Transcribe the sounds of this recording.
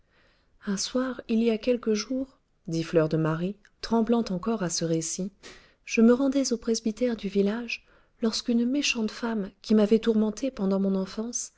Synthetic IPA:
ɛ̃swaʁiliakʲɛlkəʒuʁ | d̪iflœʁd̪əmaʁi | t̪χɑ̃blɑ̃t̪ɑ̃kɔʁasəʁesi | ʒ̥əməʁɑ̃d̪ɛzopχezbit̪ɛʁd̪yvilaʒ | lɔʁskynmeʃɑ̃t̪famkʲʰimavɛt̪uʁmɑ̃t̪ʰepɑ̃d̪ɑ̃mɔ̃nɑ̃fɑ̃s

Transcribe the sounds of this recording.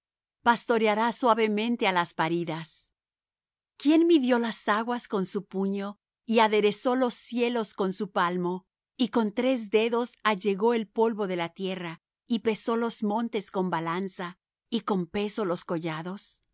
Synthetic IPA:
past̪o̞ɾeaɾaswaβe̞mẽ̞nt̪e̞alaspaɾiðas | kje̞nmiðjo̞lasaɣwasko̞nsupuɲo̞ | iaðe̞ɾe̞so̞lo̞sje̞lo̞sko̞nsupalmo̞ | iko̞nt̪ɾe̞zd̪e̞ðo̞saʝe̞ɣo̞elpo̞lβo̞ðe̞lat̪je̞ra | ipe̞so̞lo̞zmõ̞nt̪e̞sko̞mbalansa | iko̞mpe̞so̞lo̞sko̞ʝaðo̞s

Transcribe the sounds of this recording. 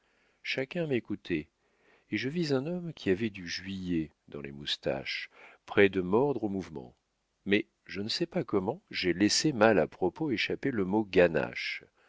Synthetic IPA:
ʃakʲɛ̃mekut̪ʰeː | ʒəvizɛ̃nɔmkʲʰiavɛd̪yʒɥijɛ | d̪ɑ̃lemust̪a̰ʃpχɛd̪əmɔʁd̪ʁomuvmɑ̰̃ | mɛ | ʒənəsɛpakɔmɑ̃ʒelesemalapχɔpoeʃapeləmoɡana̰ʃ

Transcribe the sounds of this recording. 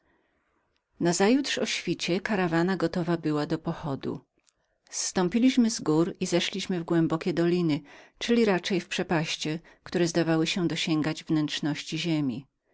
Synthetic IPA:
nazajut̪ʂɔɕfʲit͡ɕɛkaɾavanaɡɔt̪ɔvabɘwad̪ɔpɔxɔd̪ṵ | st̪ɔ̃mpʲilʲiɕmɘzɡuɾizɛʂlʲiɕmɘvɡwɛmbɔkʲɛd̪ɔlʲinɘt͡ʂɘlʲiɾat͡ʂɛjfpʂɛpaɕt͡ɕɛ | kt̪uɾɛzd̪avawɘɕɛd̪ɔɕɛŋɡad͡ʑvnɛntʂnɔɕt͡ɕiʑemʲi

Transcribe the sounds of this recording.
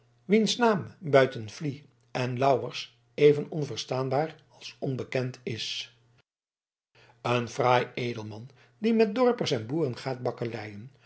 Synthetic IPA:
ʋinsnaːmbœɥtənv̥li | ʔɛnlɑwəɹs | ejvənɔnvərstaːnbaːr | ɑlˠsɔnbəkɛntɪs | ənfraːjejdəlˠmɑn | dimɛt̚dɔɹpərsɛnbuːrənχaːt̚bɑkərɛjən

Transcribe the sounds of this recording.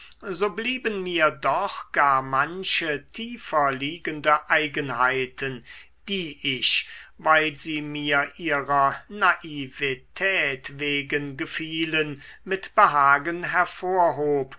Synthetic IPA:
zoːbliːbənmiːɐdɔχɡ̥aːɐmanɕətʰiːfɐliːɡəndəʔaɪɡənhaɪtʰən | d̥iːʔɪçvaɪlziːmiːɐʔiːʁɐnaʔivitʰɛːtveːɡənɡəfiːlənmɪtb̥əɦaːɡənɦɛɐfoːɐɦoːp

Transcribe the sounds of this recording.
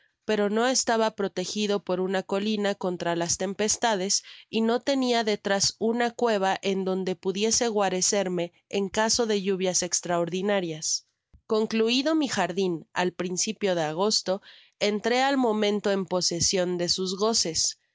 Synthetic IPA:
pe̞ɾo̞no̞e̞st̪aβapɾo̞t̪e̞xiðo̞po̞ɾunako̞linako̞nt̪ɾalast̪e̞mpe̞st̪aðe̞sino̞t̪e̞niaðe̞t̪ɾasunakwe̞β̞aʔe̞nd̪o̞nd̪e̞puðje̞se̞ɣwaɾe̞se̞ɾme̞ː | ŋkaso̞ðe̞ʝuβ̞jase̞kst̪ɾaoɾðinaɾjas | ko̞ŋkluiðo̞mixaɾðinalpɾinsipjo̞ð̞e̞aɣ̞o̞st̪o̞ | e̞nt̪ɾe̞almõ̞mẽ̞nt̪o̞e̞mpo̞se̞sjo̞nd̪e̞suzɣo̞se̞s

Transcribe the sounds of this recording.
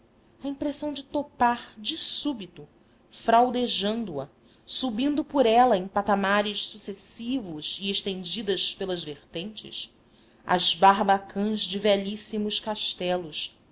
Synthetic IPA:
ɐĩpɾesɐ̃w̃d͡ʒɪt̪opaɾd͡ʒɪsubit̪ʊ | fɾawd̪eʒɐ̃nd̪ʊɐ | subĩnd̪ʊpʊɾɛlɐẽj̃pat̪amaɾɪʃsusesivʊzieʃt̪ẽnd͡ʒid̪ɐʃpelɐzveɾt̪ẽnt͡ʃɪ̰ʃ | ɐ̰zbaɾbakʰɐ̃zd͡ʒɪvɛʎisimʊʃkaʃt̪ɛlʊs

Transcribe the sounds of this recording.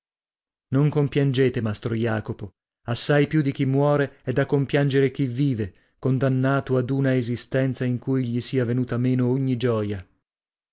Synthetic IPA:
noŋkompjand͡ʒeːt̪emast̪ɾojaːkopo | asːajpjud̪ik̟imːwɔːɾeɛd̪ːakːompjand͡ʒeɾek̟ivːiːve | kond̪anːaːt̪oad̪uːnaezist̪ɛnt̪saiŋkujʎisiːavenuːt̪ameːnooɲːid͡ʒɔːja

